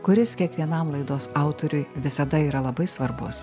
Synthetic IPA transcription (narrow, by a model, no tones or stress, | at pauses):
kʊɾʲɪskʲiɛkʋʲiɛnɐmlˠɐɪd̪oːsɑˑʊt̪oɾʲʊjʋʲɪsɐd̪ɐiːɾɐlˠɐbɐɪsʋɐɾbʊs